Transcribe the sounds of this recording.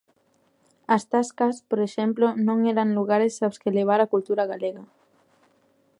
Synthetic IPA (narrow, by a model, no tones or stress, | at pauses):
ast̪askaspoɾeʃemplonõŋeɾaŋluɣaɾesawskeleβ̞aɾakult̪uɾaɣ̞aleɣa